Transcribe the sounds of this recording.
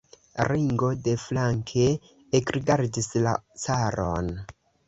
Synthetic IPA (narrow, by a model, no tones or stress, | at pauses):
ɾiŋɡo̞de̞flaŋkʰe̞ː | kɾiɡaɾdisla̰t͡saɾo̰n